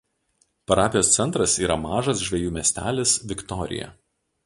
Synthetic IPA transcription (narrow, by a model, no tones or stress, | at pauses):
pɐɾɑːpʲɪjoːst̪sʲɛnt̪ɾɐsiːɾɐmɑːʒɐs̬ʒʲʋʲɛjuːmʲɛsʲt̪ʲæːlʲɪsʋʲɪkt̪ɔɾʲɪ̰jɛ̰